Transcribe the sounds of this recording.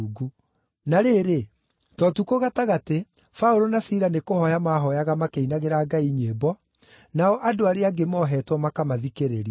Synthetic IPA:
ɡu | naɾeɾe | tɔtukoɣataɣate | faoɾonasiɾanekohɔjamaɦɔjaɣamakeinaɣeɾaɡaiɲebɔ | naɔʔadoaɾeaɡemɔɦɛtwɔmakamaðikeɾeɾ

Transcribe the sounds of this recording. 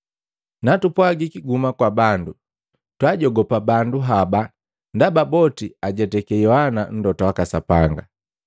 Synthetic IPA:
natupwaɡikiɡumakwabandu | twaɟɔɡɔpabanduɦaba | ndababɔtiaɟɛtɛkɛjɔhanan̩dɔtawakasapaŋɡa

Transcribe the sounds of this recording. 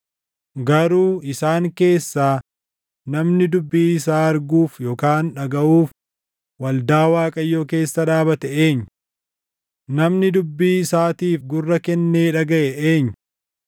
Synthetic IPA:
ɡɐɾuːɪsaːŋke̞ːsːaː | nɐmnɪd̪ʊbːiːɪsaːɐɾɡuːfjo̞ːkaːnᶑɐɡɐʔuːf | wɐld̪aːwaːkʼɐjːoːke̞ːsːɐᶑaːbɐt̪ɛeːɲː | nɐmnɪd̪ʊbːiːɪsaːt̪iːfɡʊrːɐkɛnːeːᶑɐɡɐʔɛʔeːɲː

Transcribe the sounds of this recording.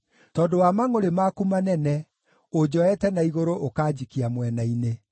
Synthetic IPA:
tɔːdowamaŋoɾemakumanɛnɛ | od͡ʑɔɛtɛnaiɣoɾoʔokaːd͡ʑikiamwɛnaine

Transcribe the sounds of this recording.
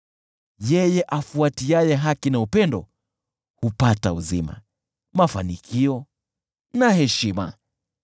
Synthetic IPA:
jɛjɛʔafuatiajɛɦakinaupɛndɔ̰ | hupatauzima̰ | mafanikʰiɔ | nahɛʃima̰

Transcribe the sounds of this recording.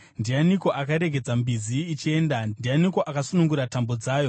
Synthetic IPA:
ndianiko̞ʔakaɾe̞ɡʱe̞d͡zambiziːt͡ʃie̞ːndadianiko̞ʔakasunuŋɡuɾatambo̞d͡zaːjo̞

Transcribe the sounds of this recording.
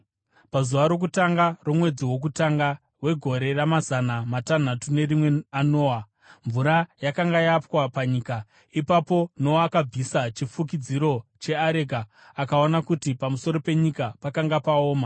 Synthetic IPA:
pazuʋaɾo̞k̬utaŋɡaro̞mwe̞d͡ziwo̞k̬utaŋɡa | we̞ɡʱo̞ɾe̞ramazanamatan̤atune̞rimweano̞ːa | ɱvuɾajakaŋɡajapwapaɲiːka | ipapo̞noakab͡visat͡ʃifukid͡ziɾo̞t͡ʃe̞aɾe̞ɡaː | kao̞nakutipamuso̞ɾo̞pe̞ɲikapakaŋɡapaoːma

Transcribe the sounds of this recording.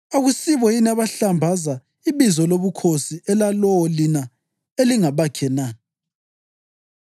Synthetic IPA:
oɣusiβɔjinaβaɬambʱaza | iβizɔloβukʰosiɛlalɔlina | eliŋaβakʰɛna

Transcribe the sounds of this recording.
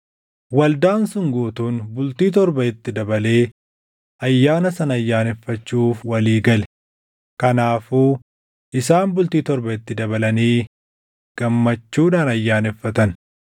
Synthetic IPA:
wɐld̪aːnsʊŋɡuːt̪uːnbʊlt̪iːt̪̬ɔɾbɐɪt̪ːɪd̪ɐbɐle̞ː | ʔɐjːaːnɐsɐnɐjːaːnɛfːɐt͡ʃːuːfwɐliːɡɐlɛ̥ | kɐnaːfuː | ʔɪs̬aːnbʊlt̪iːt̪ɔɾbɐɪt̪ːɪd̪ɐbɐlɐniː | ɡ̥ɐmːɐt͡ʃːuːᶑaːnɐjːaːnɛfːɐt̪ɐn

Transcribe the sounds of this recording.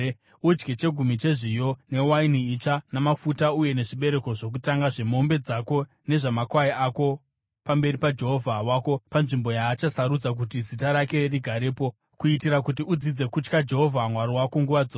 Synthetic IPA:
ud͡ʒɡet͡ʃe̞ɡʱumit͡ʃe̞ʐijo̞ne̞wainiit͡ʃanamafutauje̞ne̞ʐiɓe̞ɾe̞ko̞ʐo̞k̬utaŋɡaʐe̞mo̞mbe̞d͡zako̞ | ne̞ʐamakwaiʔako̞ | pambe̞ɾipad͡ʒe̞ɦo̞vʱawako̞panʐimbo̞jaːt͡ʃasaɾud͡zak̬utizitaɾake̞riɡʱaɾeːpo̞ | kuitiɾakut̬iud͡zid͡ze̞kut͡ʃkad͡ʒe̞ɦo̞vʱamwaɾowakoŋɡuʋad͡zoː

